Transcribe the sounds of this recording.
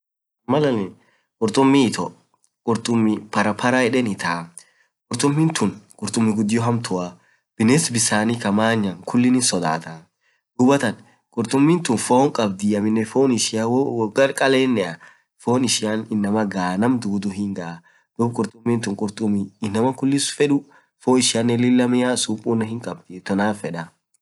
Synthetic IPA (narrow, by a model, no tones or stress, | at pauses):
mɐlɐnɛ | kʼʊɾt̪ʼʊmːɪt̪ɔ | kʼʊɾt̪ʼʊmːɪpɐɾɐpʰɐɾaɛᶑɛnɪt̪ʰaː | kʼʊɾt̪ʼʊmːɪnt̪ʊnkʼʊɾt̪ʼʊmːɪɡʊd̪ːɪjɔɦɐmt̪ʰʊʔa | b̥ɪnɛsbɪsaːnikɐmaːɲːɐŋkʊlːɪnɪnsɔd̪a̰ːt̪a | ɡʊbɐt̪ɐn | kʼʊɾt̪ʼʊmːɪnt̪ʊnfoːŋkʼɐbd̪ɪːɐmɪnːɛfoːnɪʃɪjawɡɐɾkʼɐleːnːɛɐ | foːnɪʃɪjanɪnːɐmɐɡaːnɐmd̪uːd̪ʊɦɪŋɡɐʔa | d̪̥ʊbkʼʊɾt̪ʼʊmːɪnt̪ʊŋkʼʊɾt̪ʼʊmːɪːnːɐmɐkʊlːɪsfɛᶑʊ | foːɪʃɪjɐnːɛlɪlːɐmɪjasupʼːuːnːɐhɪŋkʼɐb̚d̪ɪt̪ɔnaːfɛᶑɐ